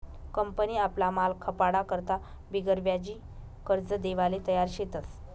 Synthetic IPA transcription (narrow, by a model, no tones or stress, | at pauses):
kəmpəniːaplamalkʰəpaɽakəɾt̪a | biɡəɾʋjad͡ʑiː | kəɾd͡zəd̪eʋalet̪əjaɾɕet̪əs